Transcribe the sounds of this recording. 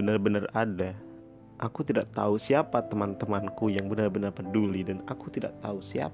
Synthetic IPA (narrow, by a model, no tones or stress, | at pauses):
ənərbənərada | ʔakut̪idaʔ̚t̪ausiapat̪əmant̪əmankujaŋbənərbənərpədulidanakut̪ida̰ʔ̚t̪ausia̰